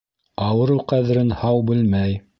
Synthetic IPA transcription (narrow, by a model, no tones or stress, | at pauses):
ɑwɤ̆ɾɤwqæðɘ̆ɾɘnhɑwbɘlmæj